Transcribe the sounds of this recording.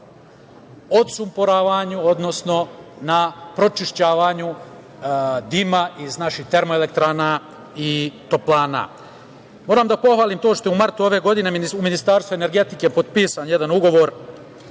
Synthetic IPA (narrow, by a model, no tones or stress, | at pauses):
ot̪sumpoɾaːʋaɲuo̞d̪no̞sno̞napɾo̞t͡ʃiʃt͡ɕaːʋaɲu | d̪imaʔiznaʃixt̪e̞ɾmoele̞k̚t̪ɾaːna | it̪o̞plˠaːna̰ | moːɾamd̪apo̞xʋaːlimt̪o̞ːʃt̪o̞jumaɾt̪uo̞ʋe̞ɡo̞d̪ine̞miniuminist̪aːɾst̪ʋuene̞ɾɡe̞t̪ike̞po̞d̪̚piːsanjed̪anuɡo̞ʋo̞ɾ